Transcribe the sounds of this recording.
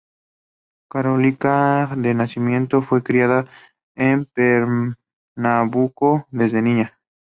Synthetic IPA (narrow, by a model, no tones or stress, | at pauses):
kaɾolikaðenasimjẽ̞nt̪o̞fwe̞kɾiaða | empeɾ | naβukoðe̞zðenĩɲa